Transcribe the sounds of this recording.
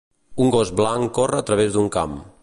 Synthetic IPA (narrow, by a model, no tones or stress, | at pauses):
uŋɡɔzblaŋkorəːt̪ɾəβ̞ezd̪uŋka̰m